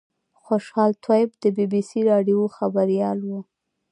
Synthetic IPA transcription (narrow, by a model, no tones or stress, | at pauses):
xoʃhɑlt̪ʰwajɪb̚d̪əbibisiɾɑɖijoxabaɾijɑlwu